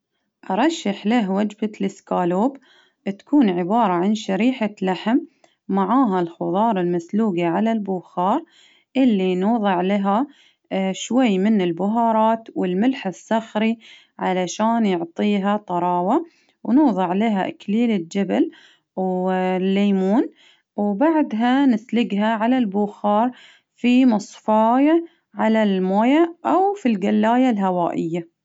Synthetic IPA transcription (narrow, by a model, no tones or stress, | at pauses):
ʔɑɾˤɑʃːaħlaɦwad͡ʒbalɪskaːluːb | t̪ḁkuːnʕɪbɑːɾˤɑʕanʃaɾiːħalaħmː | aʕaːɦalxʊðˤɑːɾˤɪlmasluːɡiʕalalbʊːxɑːɾˤ | ʔɪlːinuːðˤɨʕlaɦa | ʃwajːmɪnɪlbʊɦɑːɾˤɑːt̪wɪlmɪlħɪsˤːɑxɾi | ʕalaʃaːnjʊʕt̪ˤiːɦat̪ˤɑɾˤɑːwa | wnuːðˤɨʕlɪɦaʔɪkliːlɪld͡ʒabal | wlːeːmuːn | wbaʕd̪ɦanɪslɪɡɦaʕalalbʊːxɑːɾˤ | fimɑsˤfɑːja | ʕalalmoːjaʔawfilɡalːaːjalɦawaːʔɪjːa